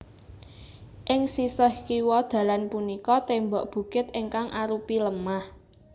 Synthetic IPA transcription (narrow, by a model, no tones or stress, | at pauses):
ʔɪŋsisəhkiwɔd̪̥ä̤lanpunikɔt̪embɔʔb̥ṳɡ̥ɪt̪ɪŋkaŋʔaɾupiləmah